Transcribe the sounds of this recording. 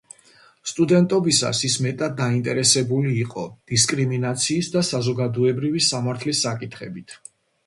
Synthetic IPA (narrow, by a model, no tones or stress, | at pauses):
st̪ʼud̪ɛnt̪ʼɔbisa̰sismɛt̪ʼad̪̚ːaint̪ʼɛɾɛsɛbuliːqʼɔd̪̥iskʼɾiminat̪sʰiːsd̪asazɔɡad̪ɔɛbɾivisamaɾt̪ʰlisːakʼit̪ʰχɛbit̪ʰ